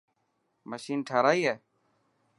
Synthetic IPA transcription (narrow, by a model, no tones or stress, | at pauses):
məʃiːnʈʰaːɾaːiːɦɛː